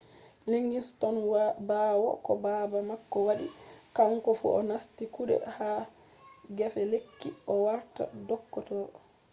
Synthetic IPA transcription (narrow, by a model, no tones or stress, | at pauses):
leŋɡistɔnwbaːwɔ̰kɔbabamakːɔwaɗikaŋkɔfṵʔɔnastikuɗɛ̰ha | ɡɛfɛlekːiɔwaɾta̰dɔkːɔtɔɾ